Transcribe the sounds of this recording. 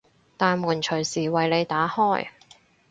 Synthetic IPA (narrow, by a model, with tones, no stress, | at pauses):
t̪aː˨nmuː˨˩nt͡ʃʰɵ˨˩ɥsiː˨˩wɐ˨jle˨˧jt̪aː˨˥hɔː˥˩j